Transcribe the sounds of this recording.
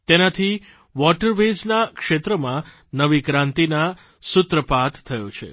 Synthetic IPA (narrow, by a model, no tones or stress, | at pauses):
t̪enat̪ʰi | ʋɔʈəɾʋed͡ʒnakʂet̪ɾəmã | nəʋikɾãnt̪ina | sʊt̪ɾəpat̪t̪ʰːəjot͡ʃʰḛ